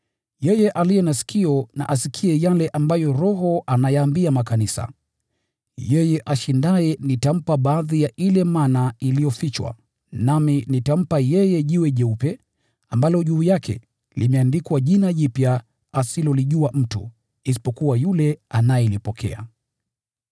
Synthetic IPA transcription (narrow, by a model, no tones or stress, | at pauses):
jɛjɛʔalijɛnasi̥kʰiɔna̰ʔasikʰiɛjalɛʔambajɔɾɔɦɔanajaːmbiamakanisa̰ | jɛjɛʔaʃindaɛnitam̩paɓaːðijaʔilɛmanailijɔfit͡ʃwa̰ | naminitam̩pajɛjɛʄiwɛʄɛupɛ | ambalɔʄuːjakʰɛ̰ | limɛandikwaʄinaʄipja | asilɔliʄuam̩tṵ | isi̥pɔkuwajulɛanajɛlipɔkʰɛ̰a̰